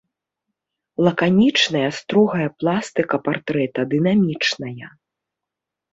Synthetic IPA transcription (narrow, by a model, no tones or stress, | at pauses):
lˠɐkanʲit͡ʂnɐjɐst̪ɾɔɣɐjɐplˠast̪ɨkɐpart̪ɾɛt̪ɐd̪ɨnamʲit͡ʂnɐjɐ